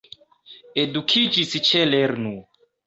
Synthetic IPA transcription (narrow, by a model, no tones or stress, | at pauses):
edukʰid͡ʒist͡ʃeleɾnu